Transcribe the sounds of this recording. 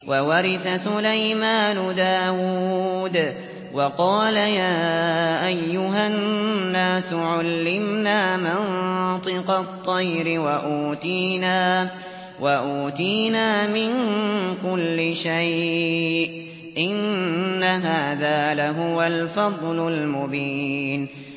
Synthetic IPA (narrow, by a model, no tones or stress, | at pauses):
wʔawɑɾɪθasʊlajmaːnʊd̪aːwuːd̪ | wɑqɑːlajaːʔajːʊɦanːaːsʊʕalːɪmnaːmɪnt̪ˤɨqɑt̪ˤːɑjɾɪwaʔuːt̪iːnaː | waʔuːt̪iːnaːmɪŋkʊlːɪʃaj | ʔ | ʔɪnːaɦaːðaːlaɦʊwalfɑd̪ˤlʊlmʊbiːn